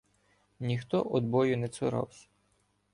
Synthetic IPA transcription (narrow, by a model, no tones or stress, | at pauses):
nʲixt̪ɔʔɔd̪bɔjʊnɛsʊɾɑ̰wsʲɐ̥